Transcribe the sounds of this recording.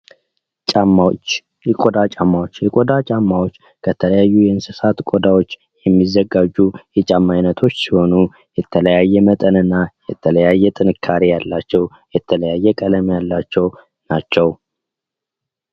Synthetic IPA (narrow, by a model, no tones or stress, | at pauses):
t͡ʃʼat͡ʃ | ɛkʼod̪at͡ʃʼamːawot͡ʃːjɛkʼod̪at͡ʃʼamːawot͡ʃː | kʰət̪ʰələjajːujɛɨnsɨsat̪kʼod̪awo̞t͡ʃː | jɛmːizːəɡad͡ʒujɛt͡ʃʼamːajnət̪ʰo̞t͡ʃːsiho̞nu | jɛt̪ʰələjajːɛmət̪ʼənɨnːajɛt̪ʰələjajːɛt̪ʼɨnɨkʰːaɾijalːat͡ʃːɛw | jɛt̪ʰələjajːɛkʼələmjalːat͡ʃːɛw | nat͡ʃːɛw